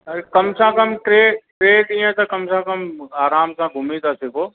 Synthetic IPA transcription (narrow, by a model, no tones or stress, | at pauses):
kɐmsãːkɐmʈɾeːʈɾeːɖĩːə̃t̪ɐkɐmsãkɐmaːɾaːmsãːɡʱʊmit̪asɪkoː